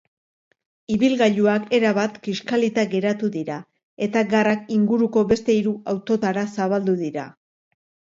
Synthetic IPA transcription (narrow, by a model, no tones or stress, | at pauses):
iβilɣaʎuake̞ɾaβat̪kiʃkalit̪aɡe̞ɾat̪uðiɾa | e̞t̪aɡarakiŋɡuɾuko̞βe̞st̪e̞iɾuawt̪o̞t̪aɾasaβald̪uðiɾa̰